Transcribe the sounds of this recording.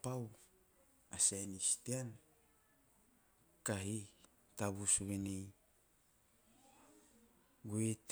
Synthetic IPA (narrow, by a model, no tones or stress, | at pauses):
paw | asanistean | kaɦi | taβusuβenej | ɡuet